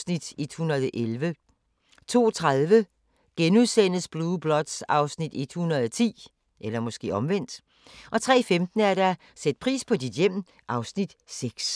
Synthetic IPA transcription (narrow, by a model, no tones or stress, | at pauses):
snid̥e̝d̥hunɐð̞ˠʔelʋə | t͡sʰo̝̰ːt͡sʰʁaðˠʋə | ɡ̥enuðˠsen̰əsb̥luːb̥lɒ̽d̥sɑ̈ʊsnid̥e̝d̥hunɐð̞̩ˠɒt͡sʰḭː | ʔelɐmɒ̽sɡ̥e̝̰ːɒ̽mʋen̰d̥ | ʔɒ̽t͡sʰʁɛ̰ːfemd̥n̩æɐɾ̥æ | sed̥̚pʰʁḭːspʰɒ̽did̥jem̰ | ʔɑ̈ʊsnid̥seɡ̥s